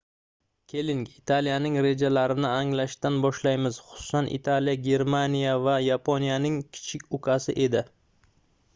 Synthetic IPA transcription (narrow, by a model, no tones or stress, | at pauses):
kʲʰe̞lɪŋɡit̪ʰalijanɪŋɾe̞d͡ʒalaɾɪnɪaŋlaʃt̪anbɒʃlajmɪz̥χʊ̥sʊ̥sanʔḭt̪ʰalijaɡʲe̞ɾmanijavajapʰonijanɪŋkʲʰɪ̥t͡ʃʰɪkʲʊkʰasɪʔe̞d̪ɪ